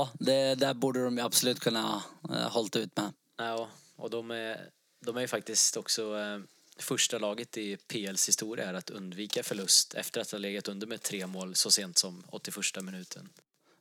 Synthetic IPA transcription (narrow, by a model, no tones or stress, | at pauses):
jːd̪ɛd̪æɾbuːɖəd̪ɔmjɵabsɔlʉ̟ːt̪kʰɵnːahɔlt̪aʉ̟ːt̪mɛ | ɑː | ɔ̰d̪ɔmɛ | d̪ɔmæɾjɵfak̚t̪ɪst̪ɔksɔ | fœʂʈalɑːɡət̪ɪpʰeːɛlshɪst̪uːɾɪaæɾat̪ɵ̰nd̪viːkafœɭɵst̪ʰɛ̰ft̪əɾat̪hhaleːɡat̪ɵnd̪əɾmɛt̪ʰːɾeːmoːlsɔseːnt̪sɔmɔ̰t̪ːɪfœʂʈamɪnʉ̟ːt̪ʰəɳ